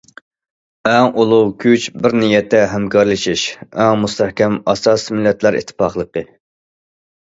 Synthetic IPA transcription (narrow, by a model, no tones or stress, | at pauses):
ɛŋʔolˠuwkʲʰyt͡ʃbɪɾnijɛt̪ʰːɛɦɛmkʰɑɾlˠɨʃiʃɛŋmust̪ɛhkʲɛmɑsɑsmɪlːɛt̪ʰlæɾḭt̪ʰːɨ̥pɑχlˠəqə